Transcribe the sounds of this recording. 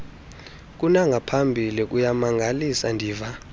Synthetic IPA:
k̬ʼunaŋɡʱapʰambʱilik̬ʼujamaŋɡʱalisandʱiːva

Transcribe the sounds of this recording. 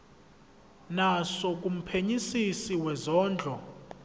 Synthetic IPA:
nasɔk̬ʼum̩pʰeɲisisiwɛzɔːnd͡ɮʱɔ

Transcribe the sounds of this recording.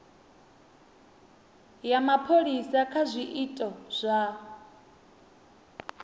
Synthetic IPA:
jamapʰoɺisakʰazʷiʔitʼɔz̥ʷa

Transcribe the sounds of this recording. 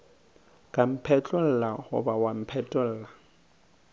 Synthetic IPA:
kʼam̩pʰɛt͡ɬʼɔl̩lahʊ̰bawam̩pʰɛt͡ɬʼɔl̩ːla

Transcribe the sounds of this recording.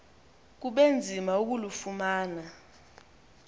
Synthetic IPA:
k̬uɓend͡zʱimauk̬ulufumaːna

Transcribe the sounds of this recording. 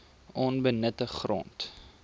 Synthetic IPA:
ʔɔnbənətəχrɔ̰nt

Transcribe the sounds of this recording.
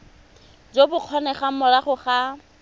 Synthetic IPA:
d͡zobʊq͡χʰɔnɛχamʊɾaχʊχa

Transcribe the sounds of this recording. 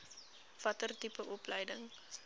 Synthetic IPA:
fɐtərtipəʔɔpləjdəŋ

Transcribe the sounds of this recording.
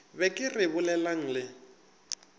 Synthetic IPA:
bɛkʼɪrɪbʊlɛlaŋ̩lɪ

